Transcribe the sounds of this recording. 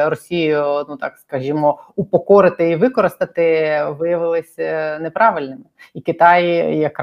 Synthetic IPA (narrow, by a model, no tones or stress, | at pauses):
ɾɔsʲijʊnut̪ɑ̰kskɐʒimɔupɔkɔɾɪt̪ɪiʋɪkɔɾɪst̪ɐt̪ɪʋɪjɐʋɪlˠɪsʲnɛpɾɑʋɪlʲnɪmɪikɪt̪ɑjjɐkɾ